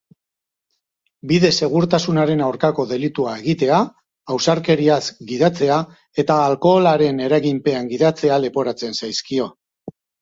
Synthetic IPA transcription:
biðe̞se̞ɣ̞uɾt̪asunaɾe̞nawɾkako̞ðe̞lit̪uae̞ɣit̪e̞aː | wsaɾke̞ɾiasɡið̞at͡se̞a | e̞t̪aːlko̞laɾe̞ne̞ɾaɣimpe̞aŋɡið̞at͡se̞ale̞po̞ɾat͡se̞nsajskio̞

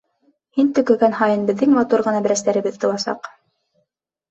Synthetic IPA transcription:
hint̪ɵ̆kɵ̆ɡænhɑjɤnbɘ̆ðːɘŋmɑt̪uɾʁɤ̆nɑbɘ̆ɾæst̪æɾɘ̆bɘðt̪ŏlˠɑsɑ̰q

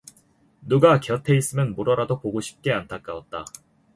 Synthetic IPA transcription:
nuɡakjʌtʰe̞is͈ɯmjʌnmoɾʌɾadopoɡoɕʰi̥p̚k͈e̞antʰak͈aʌt̚t͈a

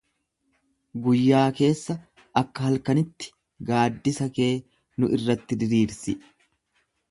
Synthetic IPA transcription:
ɡʊjːaːke̞ːsːɐ | ɐkːɐhɐlkɐnɪt̪ːɪ̥ | ɡaːd̪ːɪsɐke̞ː | nʊʔɪrːɐt̪ːɪd̪ɪɾiːɾsɪ

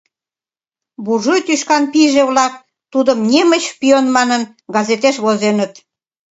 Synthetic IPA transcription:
buʒojt̪yʃkɑnpiʒeβlɑk̚ | t̪ud̪əmnʲemət͡ɕpionmɑnən | ɡɑzet̪eʃβozenət̪

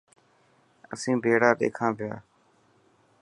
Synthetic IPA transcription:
ə̰sĩːbʱeːɽaːɗḛːkʰãːpɪjaː

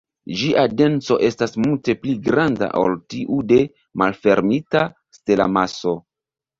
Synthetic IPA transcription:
ʒiʔade̞nt͡so̞ʔe̞stasmulte̞pliɡɾanda̰ʔo̰ltiʔude̞ | malfe̞ɾmita | ste̞la̰maso̞

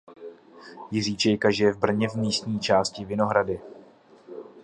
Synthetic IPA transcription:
jɪriːt͡ʃɛjkaʒɪjɛvbr̩ɲɛvmiːst̪ɲiːt͡ʃaːscɪvɪno̞ɦɾadɪ

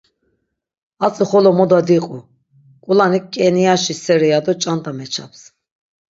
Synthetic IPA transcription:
at͡sʼiχɔlɔmɔd̪ad̪iqʼu | kʼulanikʼːɛnijaʃisɛɾɛjad̪ɔt͡ʃʼant̪ʼamɛt͡ʃʰa̰ps

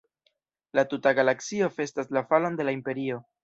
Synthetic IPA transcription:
latutaɡalaksio̞fe̞staslafalo̞nde̞laimpe̞ɾio̞

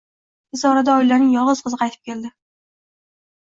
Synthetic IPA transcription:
ɪzɒɾad̪aɒɪlːaɾnɪŋjɒʁɨz̥qʰɨzɨqʰɑjt̪ʰɪp̚kʲe̞ld̪ɪ

